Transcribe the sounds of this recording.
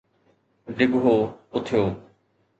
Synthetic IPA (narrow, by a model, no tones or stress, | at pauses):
ɖɪɡɦoːʊt̪ʰɪjoː